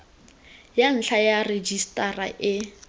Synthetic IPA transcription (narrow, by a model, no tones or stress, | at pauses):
jan̩ɬʰajared͡ʒistʼara̰ʔɪ